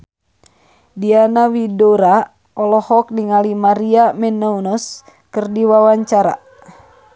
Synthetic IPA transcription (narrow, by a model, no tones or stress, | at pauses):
dianawidɔɾa | ɔlɔhɔk̚niŋalimaɾiamɛnːaunɔs | kɨrdiwawaɲt͡ʃaɾa̰